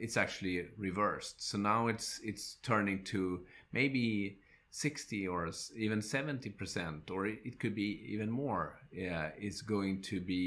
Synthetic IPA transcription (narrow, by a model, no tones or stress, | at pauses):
ɨtsæk̚t͡ʃʉl̩ˠiɹɪvɜ˞stsoʊnaʊɪtsɪtstʰɜ˞nɪ̃ŋtʰɨmʔeɪbi | sɪkstiə˞ivɨ̃nsɛvɨ̃ntipʰə˞sɛ̃ntə˞ɪt̚kʰɨd̚biḭvɨ̃nmɔɹ | ɪtsɡ̥oʊɪ̃ŋtʰɨbi